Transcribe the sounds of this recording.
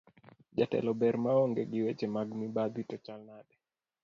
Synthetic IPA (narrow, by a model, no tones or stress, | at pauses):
d͡ʒatɛ̰lɔbɛɾmaɔŋɡɛɡɪwet͡ʃɛmaɡmibad̪witɔt͡ʃalnaɗɛ